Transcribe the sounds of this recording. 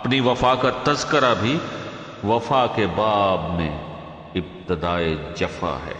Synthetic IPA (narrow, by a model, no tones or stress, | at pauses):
ɐpniʋɐfaːkat̪ɐzkəɾabʱi | ʋɐfaːkebaːbmḛ̃ | ɪb̚t̪ɪd̪aːed͡ʒɐfa̰ɦɛ̰ː